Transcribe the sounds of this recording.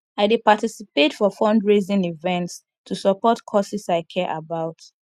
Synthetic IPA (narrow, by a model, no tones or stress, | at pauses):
aɪdipatisipetfɔfɔ̃ndɹezĩnivɛ̃nts | tʰusɔpɔtkʰɔsisaɪkʰɛʔabaʊt